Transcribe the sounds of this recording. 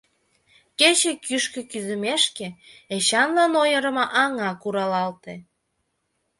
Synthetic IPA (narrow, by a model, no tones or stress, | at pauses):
ket͡ɕekyʃkĕkyzə̆meʃkeeɕɑnlɑnojəɾə̆mɑʔɑŋɑkuɾɑlɑlt̪e